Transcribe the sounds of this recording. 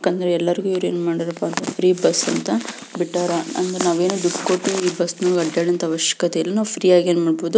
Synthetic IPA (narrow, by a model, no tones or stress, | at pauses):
jakɐːnd̪ɐɾeɛlːɐɾiɡuiʋɾue̞ːnumaːɽiɾɐpːaːnt̪ɐpʰɾiːbɐsːɐnt̪ɐ | biʈːaːɾaɐ̰nd̪ɐɾenaːʋe̞ːnuɖipkoʈːuiːbɐsːnaɡɐɖːeːɽɐnt̪ʰɐʋɐʃjɐ̥kɐt̪ɛjɐlːinaːʋupʰɾiːaːɡeːnmaːɽboːd̪u